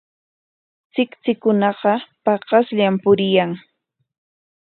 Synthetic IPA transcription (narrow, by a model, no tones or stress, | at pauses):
t͡sɪkt͡sɪkʊnɑqɑpɑqɑsʎampʊɾɪjaŋ